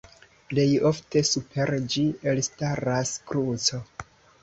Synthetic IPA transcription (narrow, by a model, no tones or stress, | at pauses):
ple̞jo̞fte̞supʰe̞ɾd͡ʒielstaɾaskɾut͡so̞